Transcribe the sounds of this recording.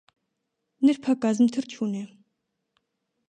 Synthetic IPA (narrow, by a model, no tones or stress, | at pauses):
nerpʰakazəmt̪ʰərt͡ɕʰune